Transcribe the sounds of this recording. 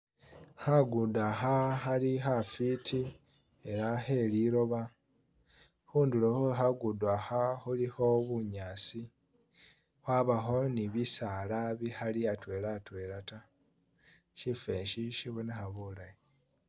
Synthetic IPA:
haɡudaxaxalixafitʰi | e̞ɾahe̞liɾo̞βa | huːndulohoɦaɡudwahaxuliho̞βuɲaːsi | hwaβaxo̞niβisaːlaβihaliatwe̞ːlatwe̞ɾata | ʃife̞ːʃiʃiβonexaβulaj

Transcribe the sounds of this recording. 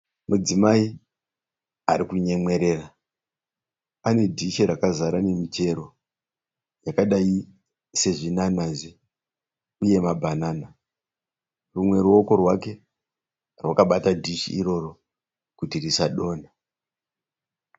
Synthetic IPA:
mud͡zimai | aɾikuɲe̞mwe̞ɾe̞ra | ane̞dʱiʃeɾakazaɾane̞mite̞ɾo̞ | jakaɗaji | se̞ʐinanazi | uje̞mabʱanaːna | rumwe̞ɾuo̞ko̞rwake̞ | rwakaɓatadʱiʃḭiɾo̞ro̞ | kutirisaɗo̞ːna

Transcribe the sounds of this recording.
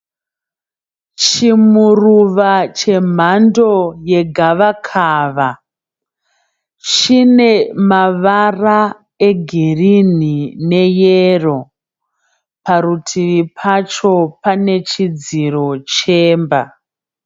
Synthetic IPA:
t͡ʃimuruʋat͡ʃe̞m̤ando̞je̞ɡʱaʋakʰaːʋa | t͡ʃine̞maʋara | eɡʱirin̤ine̞jero̞ | paɾutʰiʋipʰat͡ʃo̞pane̞t͡ʃid͡ziro̞t͡ʃeːmba̰

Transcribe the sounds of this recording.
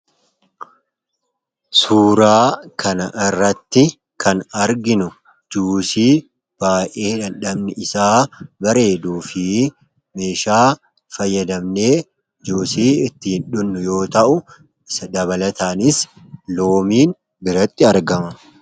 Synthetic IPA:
suːɾaːkɐnɐʔɪrːɐt̪ːɪ | kʰɐnɐɾɡɪnʊ | d͡ʒuːsiː | b̥aːjʔe̞ːᶑɐnᶑɐbnɛɪsaːbɐɾe̞ːd̪uːfɪ | me̞ːʃaː | fɐjːɐd̪ɐmne̞ː | d͡ʒuːsiːɪt̪ːɪhɪnᶑʊnːʊjo̞ːt̪ɐʔʊ | ɪsɐd̪ɐβɐlɐt̪aːnɪs | lo̞ːmiːn | bɪɾɐt̪ːɪɐɾɡɐmɐ

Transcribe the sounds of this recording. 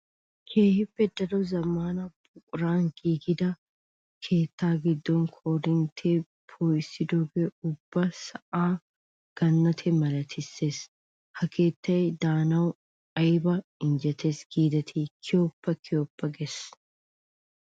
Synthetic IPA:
kʰeːhɪfːɛd̪ɐɾɔzɐmaːnɐbʊkʼʊɾaːŋɡiːɡɪd̪ɐ | kʰeːt̪ːaːɡɪd̪ːɔŋkʰoːɾɪnt̪ʰeː | pʰoːjɪsɪd̪ɔɡɛʊbːɐsɐʔaː | ɡ̥ɐnːɐt̪ʰɛmɐlɐt̪ʰɪsːes | hɐkeːt̪ːɐɛd̪aːnɐw | ɐjbɐɪnd͡ʒɛt̪ʰesɡiːd̪ɐt̪ʰiːkʰɪjoːpːɐkʰɪjoːpːɐɡɛs

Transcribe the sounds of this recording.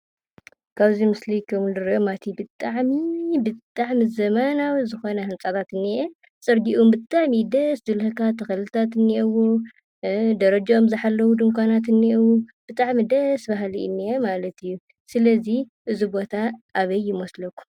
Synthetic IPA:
kʰaβzimɨslikʰɐmundɨɾomat̪ʰibɨt̪ʼaʕmibɨt̪ʼaʕmizɐmanawzɨxo̞nɐhɨnt͡sʼat̪ʰat̪ɨnːiʔe | t͡sʼɨɾɡiʔombɨt̪ʼaʕmid̪ɐszɨlhɐkʰat̪ʰɐxɐlɨlt̪ʰat̪ɨnːiʔewo | d̪ɐɾɐd͡ʒaomzɨħalːɐwud̪ɨmkʷʰanat̪ɨnːiʔewob̥ɨt̪ʼaʕmid̪ɐsbaɦliɨ̰nːiemalɐt̪ʰɨjːu | sɨlɐzi | ʔɨzubo̞t̪ʰaʔːβɐjːɪmɔslɐkʰu̥

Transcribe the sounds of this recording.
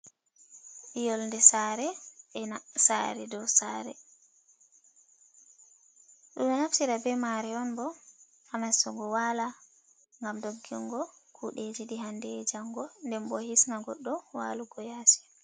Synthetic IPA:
ɓijɔlndɛsaːɾɛɓɛnasa̰ɾɛdɔsaɾɛ̰ | ɗumɛnaftiɾabɛmaɾɛɔnbɔ | hamasɔɡɔwala | ŋɡamdoɡːiŋɡɔkʰuɗed͡ʒiɗiɦandɛd͡ʒaŋɡɔndɛmbɔhisnaɡɔɗːɔwa̰ːluɡɔjaːsi̥

